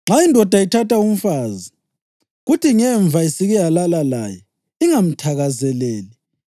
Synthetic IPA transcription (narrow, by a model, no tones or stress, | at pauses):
ŋ͡ǁaindʱɔd̥ʱaitʰataum̩faːzi | ɣutiŋɛɱb̪vʱaisiɣɛjalalala̰jɛ | iŋam̩tʰaɣazɛlɛːli